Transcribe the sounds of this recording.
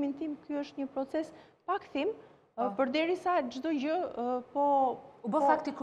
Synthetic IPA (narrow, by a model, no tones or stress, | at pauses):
mint̪imkyəʃt̪ɲəpɾɔt͡sɛs | pakθim | pəɾd̪ɛɾisad͡ʒd̪ɔd͡ʑəpɔubəfak̚t̪ik